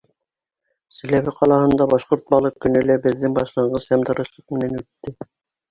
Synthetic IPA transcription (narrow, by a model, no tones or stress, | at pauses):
sɘ̆læβɘqʰɑlˠɑhɤ̆nd̪ɑbɑʃqoɾt̪̚bɑlˠɤqkːɵ̆nɵ̆læbɘ̆ðːɘŋbɑʃlˠɑɴɢɤzhæmd̪ɑ̆ɾɤ̆ʃlˠɤq̚mɘ̆nænʉt̪ːɘ